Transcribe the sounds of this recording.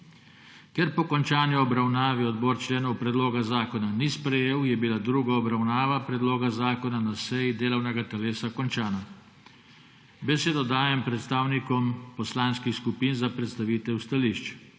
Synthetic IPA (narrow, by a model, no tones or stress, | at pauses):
kɛɾpɔkɔnt͡ʃaːnjɔɔbɾawnaːʋiɔd̪bɔːɾt͡ʃleːnɔwpɾɛd̪loːɡazaːkɔnanispɾɛjeːwjɛbilad̪ɾuːɡaɔbɾawnaːʋapɾɛd̪loːɡazaːkɔnanasɛjid̪eːlɔwnɛɡat̪ɛleːsakɔnt͡ʃaːna | bɛseːd̪ɔd̪aːjɛmpɾɛt̪st̪aːwnikɔmpɔslaːnskixskupiːnzapɾɛt̪st̪aʋiːt̪ɛwst̪aliʃt͡ʃ